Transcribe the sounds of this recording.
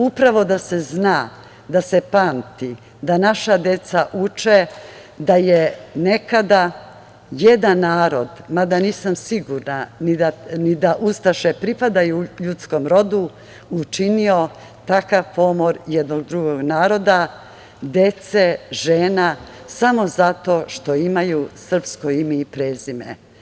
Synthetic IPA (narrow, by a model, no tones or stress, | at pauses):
upɾaʋo̞d̪ase̞znaː | d̪ase̞paːnt̪i | d̪anaʃad̪e̞t̪saʔut͡ʃe | d̪ajene̞kad̪a | jed̪anːaːɾo̞d̪mad̪aniːsamsiɡuɾnanid̪anid̪aʔust̪aʃepɾipad̪ajuʎut̪sko̞mɾo̞d̪u | ut͡ʃinio̞ | t̪akaʋpo̞mo̞ɾjed̪noɡ̚d̪ɾuɡo̞ɡnaːɾo̞d̪a | d̪e̞t̪seʒeːnasamo̞zat̪o̞ʃt̪o̞imajusr̩pskojimiipɾeːzimḛ